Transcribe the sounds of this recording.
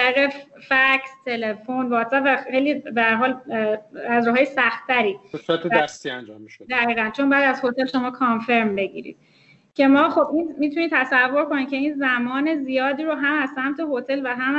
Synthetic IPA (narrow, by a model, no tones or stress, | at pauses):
æɾiɣe | fæcʰst̪ʰe̞lefonvɒːt̪sæbvæxejliːbeæɾɦɒːl | æzɾɒːɦɒːjesæxt̪ʰːæɾiːsuɾæt̪ʰeæst̪iænd͡ʒɒ̰mːiʃood̪æɣiːɣænt͡ʃʰonmbɒjæd̪æzho̞t̪ʰe̞lʃo̞mɒːkʰɒnfe̞ɾmbe̞ɟḭɾḭd̪̥̚ | cʰe̞mɒːxo̞bmimit̪ʰuniːt̪ʰːæsævːo̞ɾkonicʰe̞iːnzæmɒːne̞zijɒːd̪iːɾoɦæmæz̥sæmt̪ʰe̞ɦot̪ʰe̞lvæɦæm